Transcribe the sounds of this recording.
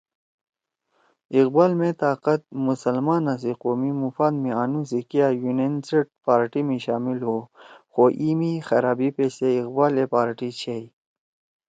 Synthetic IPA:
iqbaːlmẽt̪aːqət̪̚musəlmaːnas̬iqoːmimufaːd̪mĩaːnus̬ikijajunenseʈ̚paːɾʈimĩɕaːmilɦoːxoʔiːmixɐɾaːbipeːseiqbaːlepaːɾʈit͡ɕʰej

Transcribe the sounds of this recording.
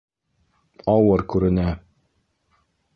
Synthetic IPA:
ɑwɤɾkʉɾɘ̆næ

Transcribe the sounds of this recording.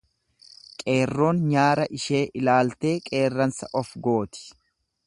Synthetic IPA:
kʼe̞ːrːo̞ːnɲaːɾɐʔɪʃe̞ːʔɪlaːlt̪e̞ːkʼe̞ːrːɐnsɐ̰ʔɔfɡo̞ːt̪ɪ̥

